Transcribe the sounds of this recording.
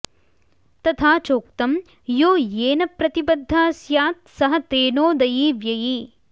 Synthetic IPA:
t̪ɐt̪ʰaːt͡ʃoːkt̪ɐm | joːjeːnɐpɾɐt̪ibɐd̪ʱːaːsjaːt̪̚sɐɦɐ̆t̪eːnoːd̪ɐjiːʋjɐjiː

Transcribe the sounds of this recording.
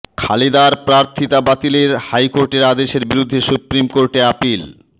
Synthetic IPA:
kʰalid̪aɾpɾaɾt̪ʰit̪abat̪ileɾhajkoɾʈeɾad̪eʃeɾbiɾud̪ʱːesupɾimkoɾʈeapil

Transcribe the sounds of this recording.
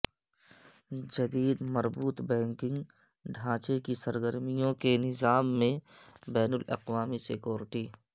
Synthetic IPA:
d͡ʒɐd̪iːd̪mɐɾbuːt̪bɛ̃ːŋkɪ̃ŋɡ | ɖʱãːt͡ʃekisɐɾɡəɾmijõkenɪzaːmːẽbɛːnʊlɐ̰qʋaːmisɪkjoːɾɪʈiː

